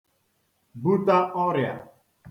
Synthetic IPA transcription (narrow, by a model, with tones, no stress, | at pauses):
bu˦ta˦ɔ˦ɾja̰˨